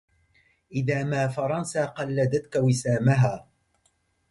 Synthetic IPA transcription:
ʔɪðaːmaːfɑɾˤɑnsaːqɑlːad̪at̪kawɪsaːmaɦaː

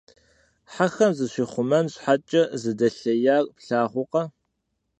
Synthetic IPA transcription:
ħaxɐmzɨɕʷiːχʷʊmɐnɕħat͡ʃʼɐzɨdɐɬɐjaːrpɬaːʁʷʊqɐ

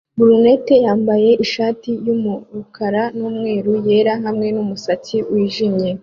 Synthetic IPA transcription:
buɾune̞te̞jaːmbaje̞ʔiʃaːtijumuɾukʰaɾanuːmŋe̞ːɾuje̞ːɾaɦamŋe̞numusaciwiːʒimɲe̞

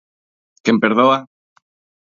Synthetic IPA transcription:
kempeɾðoa

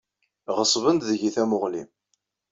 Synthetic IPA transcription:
ʁəsˤvənd̪ðəʝiθæmʊʁlḭm

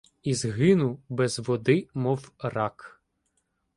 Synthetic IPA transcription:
izɦɪnʊbɛzʋɔd̪ɪmɔwrɑk

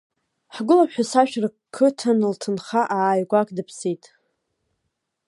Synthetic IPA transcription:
ħɡʷʊlaħᶣasaʃᶣra | kʰːɨtʰanɨltʰɨnχaʔajɡʷakʼdɨpʰsitʼ

